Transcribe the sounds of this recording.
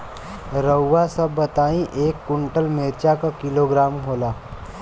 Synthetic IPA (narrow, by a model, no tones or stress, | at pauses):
ɾəwːasɐbːɐt̪aːĩʔeːkːʊ̃ɳʈəlmeːɾt͡ʃakakɪloɡɾaːmɦoːlaː